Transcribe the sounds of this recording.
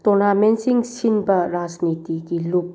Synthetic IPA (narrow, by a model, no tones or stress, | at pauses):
t̪ɔnamensiŋsinbaɾasnit̪ikilup